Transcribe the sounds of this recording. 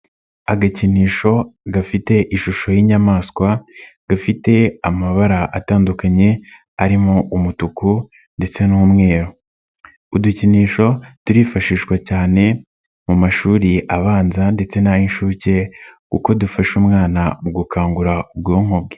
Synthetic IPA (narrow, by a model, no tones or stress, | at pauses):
aɡaciniːʃo̞ɡafite̞ʔiʃuʃo̞jiːɲamaːskwaɡ̥afite̞amaβaɾaʔataːndukaɲe̞ | aɾimoʔumutuku | nde̞t͡se̞nuːmŋe̞ːɾo̞ | uduciniːʃo̞tuɾiːfaʃiːʃwacaːne̞ | mumaʃuːɾiʔaβaːnzande̞t͡se̞najinʃuce̞kuko̞dufaʃumŋaːnaɡukʰaːŋɡuɾaub̚ɡoːŋ̥ob̚ɡe